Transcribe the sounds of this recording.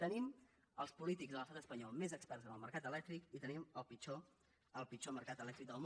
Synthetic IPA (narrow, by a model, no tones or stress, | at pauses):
t̪ənim | əlˠspulit̪iɡzðəlˠəst̪at̪əspəɲɔlˠmezəkspɛrzənəlˠməɾkat̪əlɛk̚t̪ɾikit̪əniməlˠpit͡ʃo | əlˠpit͡ʃoməɾkat̪əlɛkt̪ɾik̚d̪əlˠm